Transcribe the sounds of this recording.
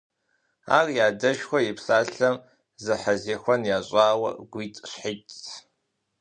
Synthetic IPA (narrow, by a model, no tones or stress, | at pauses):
a̰ːrjaːdɐʃxʷɔjɪpsaːɬɐm | zɨħɐzeːxʷɔnjaːɕʼaːwɐ̰ɡʷiːtʼɕħɪtʼ